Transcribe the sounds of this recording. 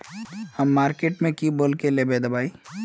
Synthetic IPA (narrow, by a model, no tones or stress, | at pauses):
hɐmːaːɾkeːʈmẽkiboːlkelebeːd̪ɐbaːi